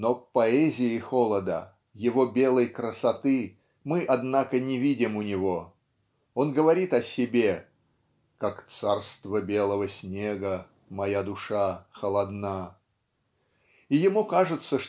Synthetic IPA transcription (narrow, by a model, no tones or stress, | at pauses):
nopɐɛzʲɪɪxo̞lˠəd̪ə̰ | jɪvo̞bʲe̞lˠəjkɾəsɐt̪ɨ | mɨʔɐd̪nakənʲɪvʲidʲɪmʊnʲɪvo̞ | o̞nɡəvɐɾʲit̪ɐsʲɪbʲe̞ | kakt̪sarst̪vəbʲe̞lˠəvəsʲnʲe̞ɡə | mɐjad̪ʊʂaxəlˠɐd̪na | ijɪmukaʐɨt̪səʂ